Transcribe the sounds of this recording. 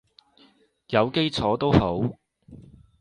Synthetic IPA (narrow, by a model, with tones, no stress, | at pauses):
jɐ˨˧wke˥jt͡sʰɔː˨˥t̪o˥who˨˥w